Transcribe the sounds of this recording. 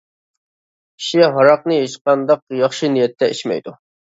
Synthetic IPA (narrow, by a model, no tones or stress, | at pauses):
kʰi̥ʃiɦɑɾɑq̚nɨjeʃqɑnd̪ɑqjɑχʃinijɛt̪ʰːɛiʃmɛ̰jd̪u